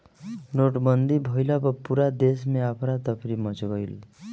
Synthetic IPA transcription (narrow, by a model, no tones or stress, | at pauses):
noʈmʌnd̪ibʱʌjlʌbʌpuɾad̪esmeapʰɾat̪ʌpʰɾimʌt͡sobʌjl